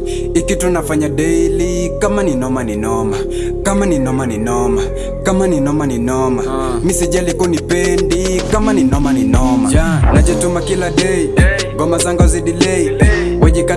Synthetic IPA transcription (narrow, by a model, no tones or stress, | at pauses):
ikitunafaɲaɗɛili | kamaninɔmaninɔma | kamaninɔmaninɔma | kamaninɔmaninɔma | misid͡ʒalikɔnipɛndikamaninɔmaninɔma̰nad͡ʒɛtumakilaɗɛi | ɡɔmazaŋɡaziɗilɛi | wɛʄika